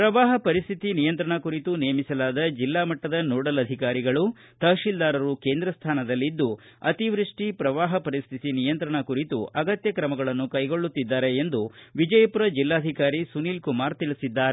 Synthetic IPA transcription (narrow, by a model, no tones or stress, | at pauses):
pɾɐʋaːɦɐpɐɾist̪ʰit̪inijɐnt̪ɾɐɳɐkuɾit̪unejɐmisɐlaːd̪ɐd͡ʒilːaːmɐʈːɐd̪ɐnoːɽɐlɐd̪ʱikaːɾiɡɐɭu | t̪ɐʂild̪aːɾɐɾuke̞ːnd̪ɾɐst̪ʰaːnɐd̪ɐlːid̪ːu | ɐ̰t̪iʋɾiʂʈipɾɐʋaːɦɐpɐɾist̪ʰit̪inijɐnt̪ɾɐɳɐkuɾit̪ṵɐɡɐt̪jɐkɾɐmɐɡɐɭɐnːukɐjɡo̞ɭːut̪ːid̪ːaːɾe̞ːnd̪uʋid͡ʒɐjɐpuɾɐd͡ʒilːaːd̪ʱikaːɾisuniːlkumaːɾt̪iɭisid̪ːaːɾe